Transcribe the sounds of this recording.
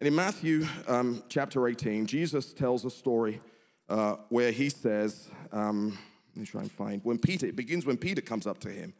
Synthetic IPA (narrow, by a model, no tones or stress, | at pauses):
ɨ̃nɨ̃nmæθjʉ | t͡ʃʰæp̚tʰə˞eɪtʰĩnd͡ʒizəstʰɛlˠzəstɔɹi | ʔʌwə˞isɛz̥ʌm | ntʰɹa̰ɪə̃ntəfã̰ɪ̃nd̚wə̃npʰiɾə˞ɨt̚b̥ɨɡɪ̃nzwə̃npiɾə˞kʰʌ̃mzʌp̚tʰɨɪ̰̃m